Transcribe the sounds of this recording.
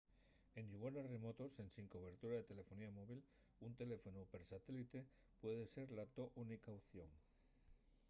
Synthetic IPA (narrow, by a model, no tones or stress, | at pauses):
e̞nʝuβonere̞mo̞t̪o̞se̞nsiŋkoβe̞ɾt̪uɾaðe̞t̪e̞le̞fo̞niamo̞βil | unt̪e̞le̞fo̞nupe̞ɾsat̪e̞lit̪e̞ | pwe̞ð̞e̞se̞ɾlat̪o̞ʔunikauθjo̞ŋ